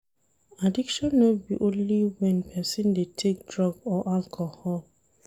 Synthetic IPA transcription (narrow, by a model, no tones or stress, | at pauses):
adikʃɔ̃nːobiʔõnliwɛ̃npʰɛsĩndetʰek̚dɹɔɡɔʔalkʰohɔl